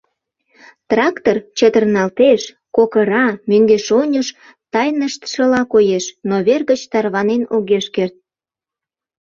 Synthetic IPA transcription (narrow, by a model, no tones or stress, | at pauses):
t̪rɑkt̪ort͡ɕət̪ərnɑlt̪eʃ | kokəɾɑmøŋɡeʃonʲəʃ | t̪ɑjnəʃt̪ʃəlɑkojeʃnoβerɣət͡ɕt̪ɑrβɑnenoɣeʃkert̪̚